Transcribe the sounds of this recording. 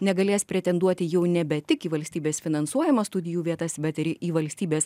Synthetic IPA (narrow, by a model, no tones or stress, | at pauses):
nʲɛɡɐlʲeːspʲɾʲɛt̪ʲɛnd̪uɔt̪ʲɪjɛʊnʲɛbʲɛt̪ʲɪkiːʋɐlʲsʲt̪ʲiːbʲeːsfʲɪnɐnsuɔjɪmɐst̪ʊd̪ʲɪjuːʋʲiɛt̪ɐsbʲɛt̪ɪɾiːʋɐlʲsʲt̪ʲiːbʲeːs